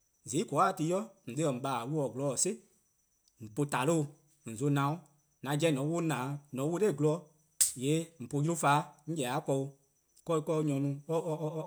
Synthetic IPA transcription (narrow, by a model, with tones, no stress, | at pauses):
zi˨˦kɔ˨˦a˦˨ti˧˦jɔ˦n̩˨ɗe˧˦ɜ˨m̩˨ɓaː˨wu˦ɔ˨ɡlɔ˧˨se˦ | m̩˨po˧ta˨lo˦˧˨ | n̩˨zo˧˦nã˨õ˦ | nã˨˧˦d͡ʒɛ˧˦nɔ̃˨˦wo˦nãː˨˦nɔ̃˨˦wo˧˦ɾe˦˨ɡlɔ˧˦ | jeː˨˦m̩˨po˧ju˦faː˨˦ŋ̩˦d͡ʒɛ˨a˨˦kɔ˧u˧ | kɔ˧˦i˧kɔ˧˦ɲɔ̃˧nũ˧ɔ˦˧